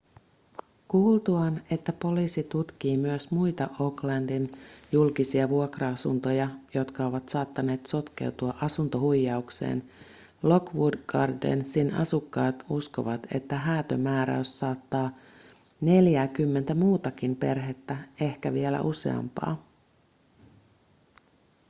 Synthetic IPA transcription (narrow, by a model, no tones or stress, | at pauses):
kuːlt̪uɑne̞t̪ːæpo̞liːsit̪ut̪kiːmyøsmujt̪ɑʔo̞klɑndinjulkisiɑʋuokrɑɑsunt̪o̞jɑjo̞t̪kɑo̞ʋɑt̪sɑːt̪ːɑne̞ːt̪so̞t̪ke̞̰wt̪uɑʔɑsunt̪o̞hujːɑuksḛːn | lo̞kʋudɡɑrdḛnsinɑ̰sukːɑːt̪usko̞ʋɑt̪e̞̰t̪ːæɦæːt̪ømæːɾæ̰ysːɑːt̪ːɑː | ne̞ljæːkymːe̞nt̪æmuːt̪ɑkimpe̞rɦe̞t̪ːæe̞hkæʋielæ̰ʔuse̞̰ɑ̰mpɑ̰ː